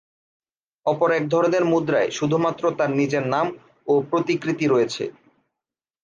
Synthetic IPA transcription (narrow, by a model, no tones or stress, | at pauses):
ɔpoɾɛk̚d̪ʱɔɾod̪eɾmud̪ɾaeʃud̪ʱumat̪ːɾot̪aɾnid͡ʑeɾnam | opɾot̪ikɾit̪iɾojet͡ɕʰḛ